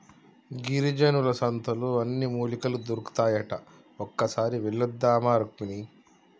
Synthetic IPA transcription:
ɡiɾid͡ʒɐnulɐsɐnt̪ʰɐluɐnːimuːlikɐlud̪uɾuku̥t̪aːjɐʈɐ | ɔkːɐsaːɾiʋilːɐd̪ːaːmaːɾukmini

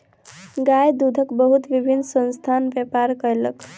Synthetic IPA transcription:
ɡajd̪ud̪ʱəkbəɦut̪ʋibʱinːsənst̪ʰanʋjepaɾkələk

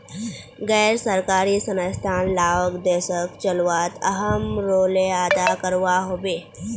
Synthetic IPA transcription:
ɡɛːɾsəɾkaːɾisənəst̪ʰaːnlaːʋəkd̪eːʃəkt͡ʃɐlwaːt̪ɐɦəmɾoːleaːd̪akəɾʋaɦoːbeː

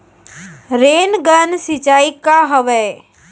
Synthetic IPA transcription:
ɾeːnɡənsit͡ʃaːikaɦəʋə

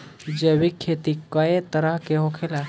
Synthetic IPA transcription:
d͡ʒebikʰːet̪ikəet̪əɾəɦkeɦokʰela

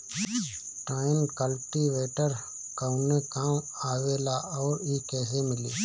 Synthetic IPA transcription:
ʈaːɪnkəlʈiʋeːʈəɾ | kəʊnekaːm | aːʋeːlaʔɔːɾikɛːɦemɪliː

